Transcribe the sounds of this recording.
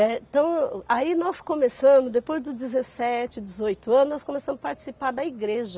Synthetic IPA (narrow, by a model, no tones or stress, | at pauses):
ɛ̃t̪ɐ̃w̃ainɔskõmesɐ̃mʊzd̪epojzd̪ʊd͡ʒɪzesɛt͡ʃɪd͡ʒɪzojt̪ʊɐ̃nʊznɔskõmesɐ̃mʊspaɾt͡ʃi̥sipaɾd̪ɐiɡɾeʒɐ